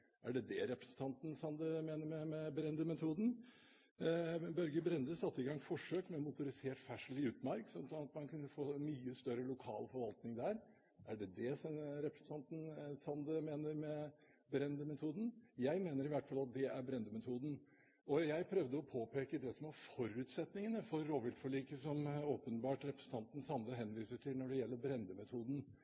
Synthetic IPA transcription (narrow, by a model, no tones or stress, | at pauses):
ʔæɖɛd̪ɛɾɛpɾəsn̩t̪ʰɑnt̪n̩sɑnd̪əmeːnəɾmɛmɛbɾɛnd̪əmɛt̪ʰuːd̪n̩ | bœɾɡəbɾɛnd̪əsɑt̪ːəɪɡɑŋfɔʂøːkmɛmʊt̪ʊɾɪseːʈfæʂəlɪʉːt̪mɑɾksɔmsɔnɑt̪mɑnkʰʉnːəfoːnmyːəst̪œɾəlʊkʰɑ̰ːlfɔɾʋɑlt̪nɪŋd̪æɾ | ʔæɖɛd̪ɛsɾɛpɾəsn̩t̪ʰɑnt̪n̩sɑnd̪əmeːnəɾmɛ | bɾɛnd̪əmɛt̪ʰuːd̪n̩jæɪmeːnəɾɪʋæʈːfɑlɑt̪̚d̪ɛʔæɾbɾɛnd̪əmɛt̪ʰuːd̪n̩ | ɔjæɪpʰɾœʋd̪əɔpʰoːpʰeːkəd̪ɛsɔmɑɾfɔɾʉːt̪sɛt̪nɪŋənəfɔɾːoːʋɪlt̪fɔɭiːkəsɔmoːpənbɑːʈɾɛpɾəsən̩t̪ʰɑnt̪n̩sɑnd̪əɦɛnʋiːsəʈʰɪlnɔɖɛjɛlːəɾbɾɛnd̪əmɛt̪ʰuːd̪n̩